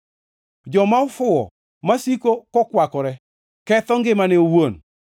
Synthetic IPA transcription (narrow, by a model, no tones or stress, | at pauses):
d͡ʒɔmaɔfʊɔ̰ | masikokɔkwakɔɾɛ | kɛt̪ɔŋɡɪmaneowon